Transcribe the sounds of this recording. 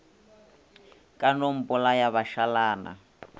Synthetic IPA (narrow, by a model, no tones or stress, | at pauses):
kʼanom̩pɔlajaβaʃalaːna̰